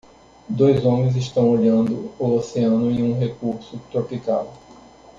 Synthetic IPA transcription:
d̪ojzõmẽzɪʃt̪ɐ̃w̃oʎɐ̃nd̪ʊooseɐ̃nʊẽj̃ũɦekuɾsʊt̪ɾopikaw

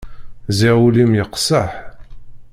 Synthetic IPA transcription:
ziʁulimjəqsəħ

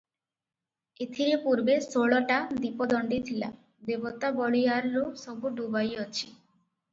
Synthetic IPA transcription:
et̪ʰiɾepuɾbesoɭɔʈad̪ipɔd̪ɔɳɖit̪ʰila̰ | d̪ebɔt̪abɔɭijaɾlosɔbuɖubajɔt͡ʃʰi

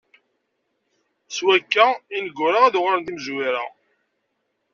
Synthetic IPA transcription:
swækːæinəɡːʊɾaæðʁɾənd̪iməzwiɾa̰

